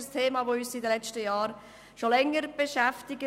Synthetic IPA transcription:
əstʰeːmɑːvoyːsidəlɛt͡ʃtəjɑːɾ | ʃolɛŋːəɾb̥eʃæftɪɡə

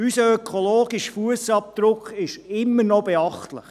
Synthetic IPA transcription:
ysəœkʰoloːɡiʃfuəsɑp̚d̪̥ɾʊkχɪʃɪmːəɾnɔbeɑχtlɪχ

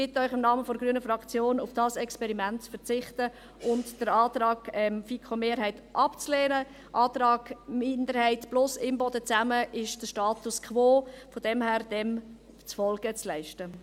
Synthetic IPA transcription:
ɡ̥ɪtœʏχɪmnɑːməfɔɾɡɾyənəfɾɑkt͡sjoːnʊfd̥ɑːsɛkspɛɾimæntt͡sfəɾt͡sɪχtə | ʔʊntd̥əɾɑːt̪ɾɑːɡɛmfikʰχomeːɾɦhɛɪtʔɑpt͡slɛːnə | ʔɑːt̪ɾɑːɡ̥mɪndəɾhɛɪtb̥lʊsɪmbɔdət͡sæməʔɪʃd̥əʃtɑːtuskʰχʋoːfɔd̥ɛmhæːɾd̥ɛm | t͡sfɔlɡ̥ət͡slɛɪʃtə

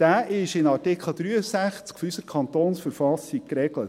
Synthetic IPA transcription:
d̥æːʔɪʃɪnɑɾtɪkʰχl̩ˠd̥̪ɾyːəsæχt͡skfɔysəɾkʰɑnt̪oːnsfəɾfɑsik̚kɾɛɡlət

